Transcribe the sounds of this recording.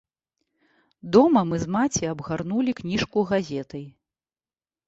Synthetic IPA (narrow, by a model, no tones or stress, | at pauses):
d̪ɔmɐmɨzmat͡sʲiabɣarnulʲiknʲiʂkuɣazʲɛt̪ɐj